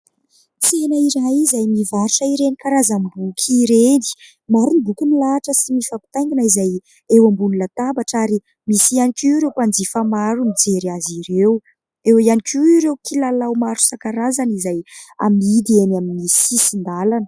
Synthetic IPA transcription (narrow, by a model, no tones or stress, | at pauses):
t͡senaiɾajizajmivaɾuʈ͡ʂaiɾenikaɾazambukʰiɾeni̥ | maɾunib̪ukʲunilaʈ͡ʂəsimifapu̥t̪aj̃ŋɡinaizaj | ewambunilat̪abaʈ͡ʂaɾi | misianikuɾewpand͡zifamaɾumid͡zeɾiaziɾew | ewianikʰiiɾewkʰilalawmaɾu̥sakaɾazanizaja̰mid̪ienaminisisind̪alanə̥